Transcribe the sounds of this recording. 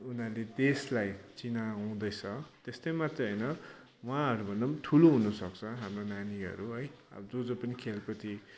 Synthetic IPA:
unaled̪eslajt͡sinaːw̃d̪ʌjt͡sʰʌt̪est̪ʌjmat̪rʌɦʌjnʌ | wãɦʌɾubʱʌnːʌmt̪ʰuloɦunʌsʌkt͡sʰʌɦamronaniʌ̰ɾuɦʌjʌ̰ʌd͡zod͡zopʌnikʰelpʌt̪ʰi

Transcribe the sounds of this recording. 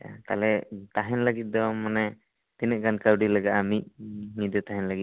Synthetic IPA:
t̪a̰lɛt̪aɦɛnlaɡit̪̚d̪ɔmanɛ | t̪inɛʔ̚kankawɖilaɡaʔamit̪̚mid̪ɔt̪aɦɛnlaɡit̪̚

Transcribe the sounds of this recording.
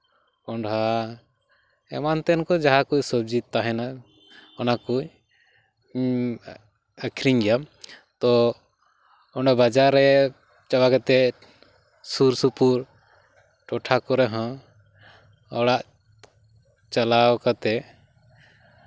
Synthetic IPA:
ɔɳɖɦa | ɛ̰mant̪ɛnkɔd͡ʒaɦakujsɔb̚d͡ʒit̪ːaɦɛna | ɔnaku | əkʰɾiɲɡɛjamt̪ɔ | ɔɳɖabad͡ʒaɾːɛ | t͡ʃawakat̪ɛ | suɾsupuɾ | ʈɔʈʰakɔɾɛɦã | ɔwɽaʔ | t͡ʃalawkat̪ɛ

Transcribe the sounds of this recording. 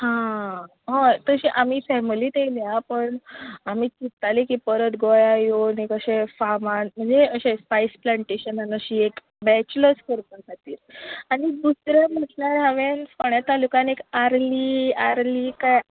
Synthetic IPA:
hã | ɦat̪əɕiʔamiːfɛmiliːt̪eliapəɳamiːt͡ɕit̪ːalikipəɾət̪ɡojajonikəɕẽfamanm̤əɳd͡zeəɕẽspajsplaɳʈeɕənanəɕiːek | bɛt͡ɕləskəɾp̪und͡zʰʱat̪iːɾaɽid̪usɾem̤əʈnaɾɦaʋenfoɳjat̪alukanekaɾliːaɾliːkaj

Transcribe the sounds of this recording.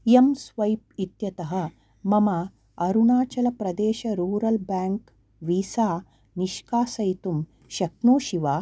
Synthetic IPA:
jɐmsʋɐjp̚it̪jɐt̪ɐɦɐ̆ | mɐma | ɐɾuɳaːt͡ʃɐlɐpɾɐd̪eːʃɐɾuːɾɐlbaːŋk | ʋiːsaː | niʃkaːsɐjt̪um | ʃɐknoːʃiʋaː

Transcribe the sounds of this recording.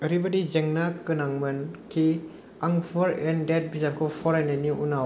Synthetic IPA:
eɾibadizeŋnakːɯnaŋmɐnkʰi | aŋpʰɔɾendet̚bizaɾkʰɔpʰɔɾajnaniʔunaw

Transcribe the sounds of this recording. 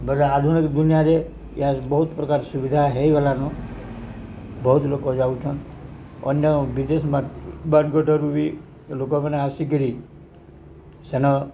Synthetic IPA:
bəɾaad̪ʱunikd̪unjaɾe | jabəɦut̪pɾəkaɾsuʋid̪ʱaɦeiʋelano | bəɦut̪lokod͡ʒaut͡ʃʰən | ɔ̰njəʋid̪esmãbanɡəʈʰəɾuʋi | lokomaneasikiɾi | senɔ

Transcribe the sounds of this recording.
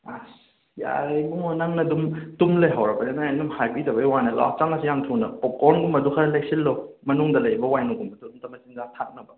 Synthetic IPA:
as | ja̰ɾejmuŋonaŋnɐdumtumlejɦawɾɐbɐninandumhajpitɐbɐjwanɐla̰t͡ʃaŋɐsijaŋtʰunɐpɔkɔɾnɡumbɐdukʰaɾɐleksillomɐnuŋdɐlɐjbɐwajnuɡumbɐtuumtɐmɐsinzaŋtʰak̚nɐbɐ

